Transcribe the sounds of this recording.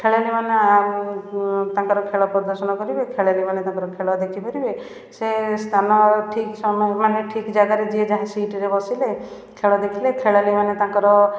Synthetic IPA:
kʰeɭalimana | t̪ãŋkɔɾɔkʰeɭɔpɾɔd̪ɔɾsɔnɔkɔɾibekʰeɭalimanet̪ãŋkɔɾɔkʰeɭɔd̪ekʰipɔɾibe | sest̪ʰanɔʈʰiksɔmɔmaneʈʰikd͡ʒaɡaɾed͡ʒied͡ʒaɦãsiʈɾebɔsile | kʰeɭɔd̪ekʰilekʰeɭalimanet̪ãkɔɾɔ

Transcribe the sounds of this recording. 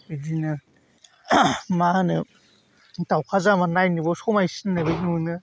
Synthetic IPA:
ɯdinɯ | manɯ | tawkʰazamanajnibɔsomajsinːajbɯjnunɯ

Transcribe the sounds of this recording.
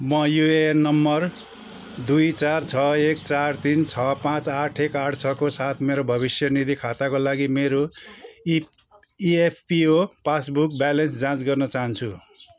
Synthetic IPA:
mʌjuenːʌmːʌr | d̪ujt͡sart͡sʰʌekt͡sart̪int͡sʰʌpãt͡saʈʰekaʈʰt͡sʰʌkosat̪ʰmeɾobʱʌβisjʌnid̪ʱikʰat̪akolaɡimeɾo | iepʰpiopasbuk̚balʌnsd͡zãt͡sɡʌrnʌt͡saɦʌnt͡sʰu

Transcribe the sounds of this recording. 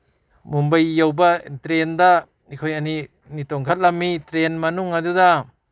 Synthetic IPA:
mumbajːawbɐtɾendɐ | ikʰojɐni | nitoŋkʰat̚lɐmːitɾenmɐnuŋɐduda

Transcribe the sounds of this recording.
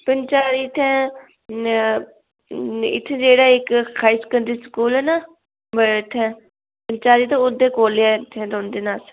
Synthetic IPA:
pənt͡ʃaːɾit̪ʰɛ̃ː | ɪ̰t̪ʰːẽːd͡ʒeːɽaːɪkkʰaːɪskənd̪ɾiːskuːlɛːnaː | bəɪt̪ʰɛ̃ː | pənt͡ʃaːɾiːt̪õːʊd̪eːkoːleaːt̪ʰẽːd̪oːnd̪eːnaːs

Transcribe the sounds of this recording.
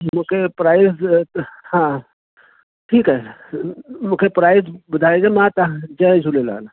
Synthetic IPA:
mukʰepɾaːis | hã | ʈʰiːkɦɛ | mukʰepɾaːɪsbəd̪ʱaed͡ʒemãt̪ad͡ʒə̃d͡ʒʱulela̰ːn

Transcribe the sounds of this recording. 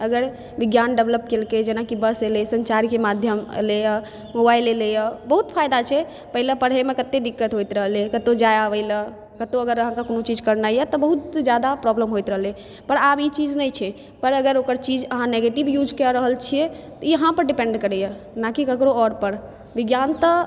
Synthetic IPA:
əɡəɾ | biɡjanɖəbləp̚kelked͡ʒenakibəselesə̃nt͡ʃaɾkemad̪ʱjəmlejə | mobajlelejəbəɦut̪pʰajd̪at͡ʃʰɛ | pəɦilepəɾɦemekət̪ːed̪ikːət̪ɦojt̪ɾəɦlekət̪od͡ʒajaʋəɪlə | kət̪oəɡəɾəɦãkakonot͡ʃid͡ʒkəɾnajət̪ɔbəɦut̪d͡ʒjad̪apɾɔbləmɦojt̪ɾəɦəle | pəɾabit͡ʃid͡ʒnəjt͡ʃʰɛ | pəɾəɡəɾokəɾt͡ʃid͡ʒəɦãneɡeʈibjud͡ʒkɛɾəɦəlt͡ʃʰiɛt̪ɔiəɦãpəɾɖipẽɳɖkəɾɛjə | nakikəkɾoɔɾpəɾ | biɡjant̪ə

